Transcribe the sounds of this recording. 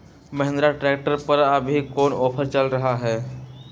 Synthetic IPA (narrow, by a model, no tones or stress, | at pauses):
məɦẽnd̪ɾaʈɾeːk̚ʈəɾpəɾəbʱikoːnɔːpʰəɾt͡ʃəlɾɐɦaɦɛː